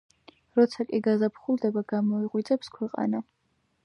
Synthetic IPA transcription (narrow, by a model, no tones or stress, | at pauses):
ɾɔt̪sʰakʼiɡazapʰχulˠd̪ɛbaɡ̥amɔiʁwid̪zʼɛpskʰwɛqʼa̰na